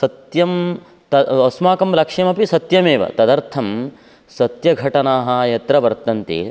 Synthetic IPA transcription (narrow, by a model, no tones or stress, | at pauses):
sɐt̪jɐm | t̪ɐosmaːkɐmlɐkʂjɐmɐpisɐt̪jɐmeːʋɐ̰t̪ɐd̪ɐɾt̪ʰɐm | sɐt̪jɐɡʱɐʈɐnaːɦɐjɐt̪ɾɐʋɐɾt̪ɐnt̪ḭ